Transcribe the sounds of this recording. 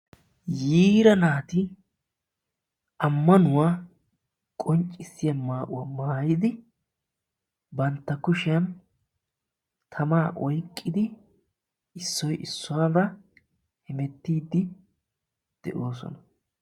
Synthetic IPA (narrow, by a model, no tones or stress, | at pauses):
jiːɾɐnaːt̪ɪ | ɐmːɐnʊwaː | kʼɔnt͡ʃʼːɪsːɪjɐmaːʔʊwamaːjɪd̪ɪ | bɐnt̪ːɐkʊʃɪjɐn | t̪ʰɐmaːʔɔjkʼːɪd̪ɪ | ɪsːɔjʔɪsːʊwaːdɐ | hɪmɛt̪ːiːd̪ːɪ | d̪̥ɛ̰ʔoːs̬ɔ̰nɐ